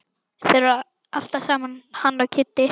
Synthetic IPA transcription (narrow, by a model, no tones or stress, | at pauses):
θɛɾ | al̥t̪asaːmanhanlawcʰɪt̪ːɪ